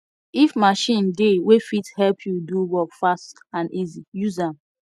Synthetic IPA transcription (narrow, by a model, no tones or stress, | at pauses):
ifmaʃĩndewefithɛlpʰjuduwɔkfast | ãnizijuzãm